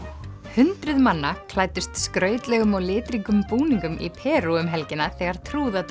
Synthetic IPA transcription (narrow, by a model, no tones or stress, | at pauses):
hʏnt̪ɾʏðmanːakʰlaːjt̪ɪst̪skɾœːɥt̪lɛɣʏmɔɣlɪːt̪ɾiŋkʏmpuːniŋkʏmʔḭpʰɛːɾuʏmɦɛlcɪnaθɛɣaɾ̥t̪ʰɾuːða